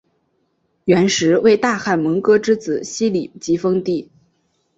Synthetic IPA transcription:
ɥɛ˧˥nʂɻ̩˧˥we˥˧ɪt̪a˥˧xa˥˩nmə˧˥ŋkɤ˥ʈ͡ʂɻ̩˥t͡sɹ̩˨˩˦ɕi˥li˨˩t͡ɕi˧˥fɤ˥ŋt̪i˥˩

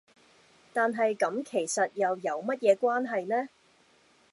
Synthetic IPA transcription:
t̪aː˨nɦɐ˨jkɐ˨˥mkʰe˨˩jsɐ˨t̚jɐ˨wjɐ˨˧wmɐ˥t̚jɛː˨˧kwaː˥nɦɐ˨jnɛː˥

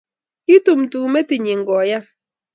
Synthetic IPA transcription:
ki˦tu˨m˨tu˨˦me˦ti˨ɲi˨ŋ̩˨ɡɔ˨ja˦

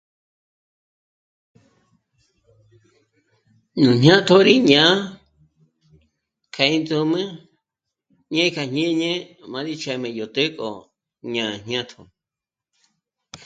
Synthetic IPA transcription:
nũ˨ɲɲã˦t̪ʰo˦ɾi˦ɲã˨˦ | kʰa˧˨ĩ˦nt͡su˧mɨ̃˦ | ɲẽ˦kʰa˧ɲ̥ɲẽ˦ɲẽ˦mã˧ɾi˦˧t͡ʃʰɛ˧mẽ˧˨jo˨t̪e˦kʼo̰˨ | ɲã˨ɲɲã˦t̪ʰo˨

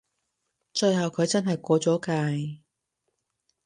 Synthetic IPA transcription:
t͡ʃɵ˧ɥjhɐ˨wkʰɵ˨˧ɥt͡sɐ˥nɦɐ˨jkʷɔː˧t͡sɔː˨˥kaː˧j

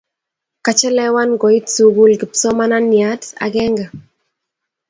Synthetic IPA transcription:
ka˨t͡ʃɛ˦lɛ˦wa˦nɡɔ˨i˦tt͡su˨ɡu˦lɡɪ˨psɔ˦ma˦na˦nja˨˦ta̰˨ɡɛ˦ŋɡa˨

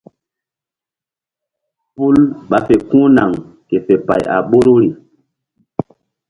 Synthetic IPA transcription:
pu˦lɓa˨˦fe˨kũː˦na˨ŋ | ke˨fe˨pa̰˨ja̰˨ɓo˦ɾo˦ɾi˨

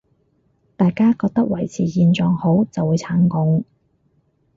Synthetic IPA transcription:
t̪aː˨jkaː˥kɔː˧k̚t̪ɐ˥k̚wɐ˨˩jt͡sʰiː˨jiː˨˧nt͡sɔː˨˩ŋho˨˥wt͡sɐ˨wuː˨˧jt͡sʰaː˨˥ŋkʊ˨˥ŋ

